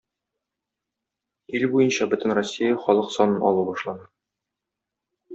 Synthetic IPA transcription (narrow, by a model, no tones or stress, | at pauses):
ilbujɤnɕɑbɵ̆t̪ɘ̆nrosʲːijɑχɒlˠɤqsɒnɤnɒ̰lˠubɒʃlˠɑnɤ